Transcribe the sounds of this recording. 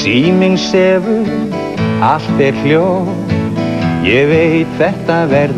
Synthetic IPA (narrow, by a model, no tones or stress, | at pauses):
iːmɪŋsɛːvʏ | al̥t̪ɛɾl̥jow | jɛvejt̪θɛht̪avɛɾ